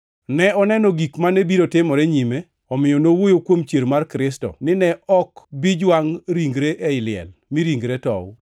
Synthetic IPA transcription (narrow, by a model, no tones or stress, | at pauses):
nɛɔnɛnɔɡikmanɛbiɾotɪmɔɾɛɲime | ɔmɪjɔnowojokwomt͡ʃjeɾmarkɾɪstɔ̰nɪnɛɔkbid͡ʒwaŋɾiŋɡɾeʔɛɪlɪɛ̰lmiɾiŋɡɾetɔ̰w